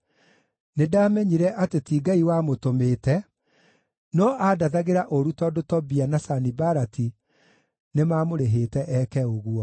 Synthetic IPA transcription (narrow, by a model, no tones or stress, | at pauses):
nedaːmɛɲiɾɛʔatetiːɡaiwamotomeːtɛ | nɔʔadaðaɣeɾaʔoɾutɔdotɔbianasanibaɾati | nemaːmoɾeɦeːtɛʔɛkɛoɣwɔ